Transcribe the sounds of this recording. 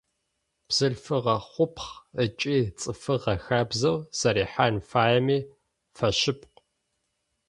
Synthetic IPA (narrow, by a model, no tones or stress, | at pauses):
b̥z̥ɨɮfɨʁɐχʷʊpʰχət͡ʃʼiːt͡sʼɨfɨʁɐxabzɐwz̥ɐɾiːħanfaːjɛmiː | fɐɕɪp̚ʰq